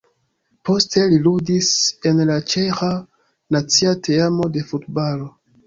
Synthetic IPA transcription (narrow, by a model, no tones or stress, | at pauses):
po̞stʰe̞liludise̞nlat͡ʃe̞xa | nat͡siatʰeamo̞de̞futbalo̞